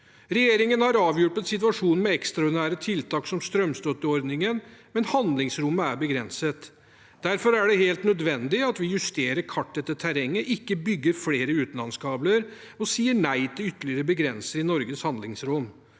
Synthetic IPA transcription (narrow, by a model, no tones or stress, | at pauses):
ɾɛjeːɾɪŋənhɑɾɑːʋjʊʈːət̪sɪt̪ʋɑʂuːnəmɛɛkst̪ɾɑɔʊɾd̪ɪnæːɾət̪ʰɪlt̪ʰɑːksɔmst̪ɾœmst̪ɔt̪ːɪɔɾd̪nɪŋənmɛnhɑnd̪lɪŋsɾʊmːəæɾbəɡɾɛnsət̪ | d̪̥æɾfɔɾæɖɛheːlt̪nœd̪ʋɛnd̪ɪɑt̪ʋɪjʉst̪eːɾəɾkʰɑʈːd̪ɛt̪ːət̪ʰæɾɛŋːəʔɪkːəbʏɡːəɾfleːɾəʉːt̪n̩lɑnskʰɑːbləɾ | ɔsiːəɳæɪt̪ʰɪlʏt̪ːəlɪəɾəbəɡɾɛnsəɾɪnɔɾɡəshɑnd̪lɪŋsɾɔm